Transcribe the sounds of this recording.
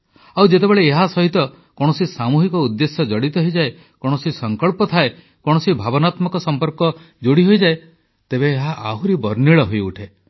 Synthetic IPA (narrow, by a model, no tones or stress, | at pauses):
awd͡ʒet̪ebeɭeːɦasɔɦit̪ɔ | kɔɽ̃ɔsisamuɦikɔud̪ːesjɔd͡ʒɔɽit̪ɔɦid͡ʒae | kɔɽ̃ɔsisɔŋkɔɭpɔt̪ʰae | kɔɽ̃ɔsibʱabɔnat̪mɔkɔsɔmpɔɾkɔ | d͡ʒoɽiɦojd͡ʒae | t̪ebeːɦaʔaɦuɾibɔɾniɭɔɦojuʈʰe